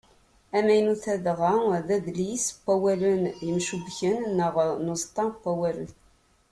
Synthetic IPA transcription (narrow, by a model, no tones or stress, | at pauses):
æmæjnuθæðʁaðæðlisqʷːæwælənjəmʃubçənːəʁnuzˤt̪ˤːɑqʷːæwælə̰n